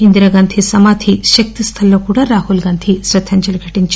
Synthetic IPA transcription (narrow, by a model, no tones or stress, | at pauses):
ind̪ɾɐɡaːnt̪ʰisɐmaːt̪ʰiʃɐk̚t̪ist̪ʰɐlːoːkuːɽaːɾaːhulɡɐːnt̪ʰisɾɐt̪ʰːɐɲt͡ʃɐlɐɡʰʱɐʈːiɲt͡ʃ